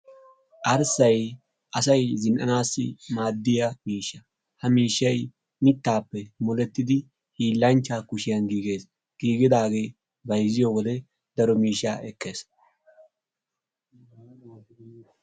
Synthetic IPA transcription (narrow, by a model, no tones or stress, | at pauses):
ʔɐɾsɐj | ʔɐsɐjzɪnʔɐ̰naːsːɪ̰maːd̪ːɪjɐmiːʃːɐ | hɐmiːʃːɐj | mɪt̪ːaːpːɛmɔlɛt̪ːɪd̪ɪ | hiːlːɐnt͡ʃːaːkʊʃɪjɐnɡiːɡe̞ːs | ɡ̥iːɡɪd̪aːɡe̞j | bɐjzɪjowɔd̪ɛ | d̪ɐɾɔmiːʃːaːʔɛkːe̞ːs